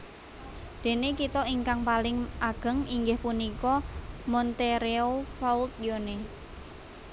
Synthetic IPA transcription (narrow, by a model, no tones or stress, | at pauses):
d̪̥e̤nekit̪ɔiŋkaŋpalɪŋʔaɡ̥ə̤ŋiŋɡɪhpunikɔmɔnt̪eɾeofault̪̚jone